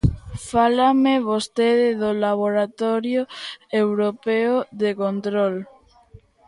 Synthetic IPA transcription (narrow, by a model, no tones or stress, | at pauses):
falameβost̪eðɪðolaβ̞oɾat̪ɔɾjoewɾopeoðekont̪ɾol